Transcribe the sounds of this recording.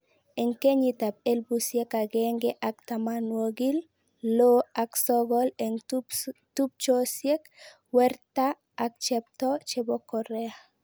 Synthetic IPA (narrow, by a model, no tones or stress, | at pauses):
eŋkeɲit̪ap̚elbusjekaɡɛŋɡɛʔakt̪amanwoɡil | loaksɔɡɔleŋ | tup̚t͡ʃosjek | wɛrtaː | k̚t͡ʃɛp̚t̪ɔt͡ʃebɔkɔɾɛa